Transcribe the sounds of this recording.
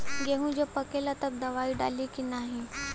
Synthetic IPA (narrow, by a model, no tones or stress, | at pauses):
ɡeɦũd͡ʑopəkelat̪əb̚d̪ɐʋaiɖa̰likinaɦi